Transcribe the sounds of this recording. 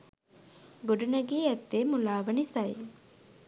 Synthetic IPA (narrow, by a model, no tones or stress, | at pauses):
ɡoɖunɐɡiːɛt̪ːeːmulaːʋɐnisɐj